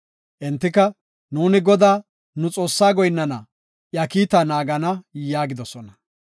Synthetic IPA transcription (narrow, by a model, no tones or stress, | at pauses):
ʔɛnt̪ːɪkɐ | nuːnɪɡɔd̪aː | nʊt͡sʼo̞ːsːaːɡɔjnːɐnɐ | ʔjɐkiːt̪anaːɡɐnɐjaːɡɪd̪ɔsɔnɐ